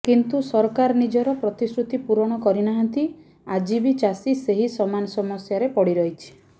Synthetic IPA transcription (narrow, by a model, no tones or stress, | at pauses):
kint̪usɔɾkaɾɔnid͡ʒɔɾɔpɾɔt̪isɾut̪ipuɾɔɽ̃ɔkɔɾinaɦãnt̪i | ad͡ʒibit͡ʃasiseɦisɔmanɔsɔmɔsjaɾepɔɽiɾɔɦit͡ʃʰi̥